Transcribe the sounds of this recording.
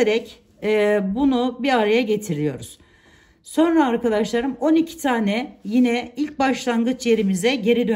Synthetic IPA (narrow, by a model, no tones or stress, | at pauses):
eɾɛcː | bunubiɾaɾajaɟe̞t̪ʰiɾʲijo̞ɾuz̥ | so̞nɾaːɾkad̪aʃlˠaɾɯmo̞nicʰi̥t̪ʰaːnɛjinɛilʲc̚baʃlˠanɡɯt͡ʃʰje̞ɾimizɛɟe̞ɾid̪ø